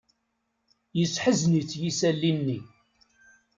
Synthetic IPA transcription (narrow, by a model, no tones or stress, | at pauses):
jəsħəznit͡sːjisælːinːi